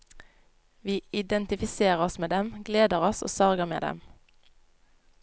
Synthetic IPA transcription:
ʋiːɪd̪ɛnt̪ɪfɪseːʁəɔsmeːd̪ɛmɡleːd̪əʁɔso̰ːsɑʁɡəʁmḛːd̪ɛ̰m

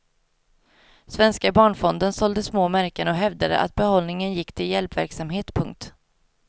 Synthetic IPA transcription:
svɛnskabɑːɳfɔnd̪ənsɔld̪əsmoːmæɾkənɔɦɛvd̪ad̪ə̰ʔa̰t̪̚bɛhɔlnɪŋənjɪkːt̪ʰɪljɛlpvæɾksamɦeːt̪pʰɵŋk̚t̪

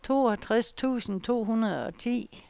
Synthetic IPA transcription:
t͡sʰo̝̰ːɒt͡sʰʁast͡sʰṵːsn̩t͡sʰo̝̰ːɦunɐð̞ˠɒ̽t͡sʰḭː

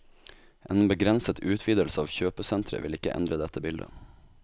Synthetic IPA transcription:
ʔeːnbəɡɾɛnsət̪ʰʉːt̪ʰʋiːd̪əlsəɑːʋçøːpəsɛnt̪ʰɾə̰ʋɪlɪkəʔɛ̰nd̪ɾəd̪ɛt̪ʰːəbɪld̪ə̰

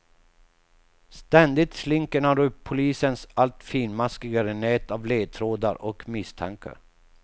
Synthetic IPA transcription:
st̪ɛnd̪ɪt̪slɪŋkəɳaɾɵpʰːʊliːsənsalt̪fiːnmaskɪɡaɾɛnɛːt̪avleːt̪ʰɾoːd̪a̰ɾʔɔkmɪst̪ʰa̰ŋkə̰ɾ

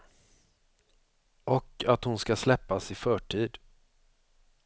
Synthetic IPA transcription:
ʔɔkat̪hʊnskaslɛpːasɪfœːʈʰiːd̪

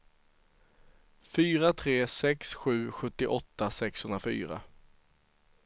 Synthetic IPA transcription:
fyːɾat̪ʰɾeːsɛksɧʉ̟ːɧɵt̪ːɪʔɔt̪ːasɛkshɵnɾafy̰ːɾa̰

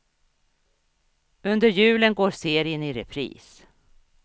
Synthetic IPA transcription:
ɵnd̪əɾjʉ̟ːlənɡoːɾseːɾɪənɪɾɛpʰɾḭːs

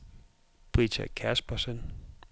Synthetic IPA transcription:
b̥ʁit͡sʰæ̰kʰæsb̥ɐsən

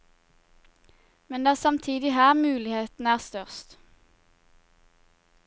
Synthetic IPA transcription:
mɛnd̪ɑːsɑmt̪ʰiːd̪ɪhæːʁmʉːlɪheːt̪n̩æːʁst̪œʁst̪

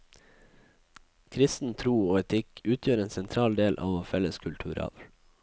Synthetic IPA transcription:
kʰɾɪst̪n̩t̪ʰɾuːoːɛt̪ʰɪkʉːt̪ʰjøːɾeːnsɛnt̪ʰɾɑːld̪eːlʔɑ̰ːʋoːfɛləskʰʉlt̪ʰʉ̰ːɾɑ̰ːʋ

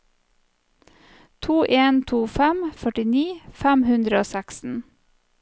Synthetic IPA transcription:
t̪ʰuːʔeːnt̪ʰuːfæmfœʈɪniːfæmhʉnd̪ɾəoːsæksn̩

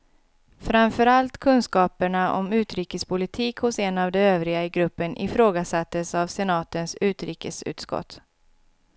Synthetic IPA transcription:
fɾamfœɾalt̪kʰɵnskɑːpəɳaʔɔ̰mʉ̟ːt̪ɾiːkəspʰʊlɪt̪ʰiːkhʊsɛnavd̪ɛøːvɾɪɡaɪɡɾɵpːənʔɪ̰fɾoːɡasat̪ːəsavsɛnɑːt̪ənsʉ̟ːt̪ɾiːkəsʉ̰ːt̪skɔ̰t̪

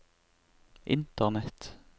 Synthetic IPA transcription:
ʔɪ̰nt̪əʁnɛt̪

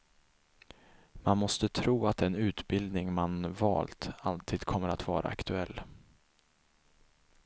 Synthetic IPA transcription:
manmɔst̪ət̪ʰɾuːat̪ɛnʉ̟ːt̪bɪld̪nɪŋmanvɑ̰ːlt̪alt̪ʰiːd̪kʰɔmːəɾat̪vɑːɾa̰akt̪ʰɵɛlː

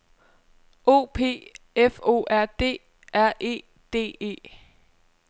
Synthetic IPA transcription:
ʔo̝̰ːpʰe̝̰ːefo̝̰ːʔæɐ̰d̥e̝̰ː | ʔæɐ̰ʔe̝̰ː | d̥e̝̰ːe̝̰ː

